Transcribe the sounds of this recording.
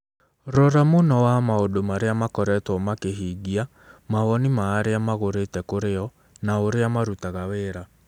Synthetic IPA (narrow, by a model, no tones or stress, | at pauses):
ɾɔɾamonɔwamaodomaɾeamakɔɾɛtwɔmakeɦiɡia | maɣɔnimaːɾeamaɣoɾetɛkoɾeɔ | naoɾeamaɾutaɣaweɾa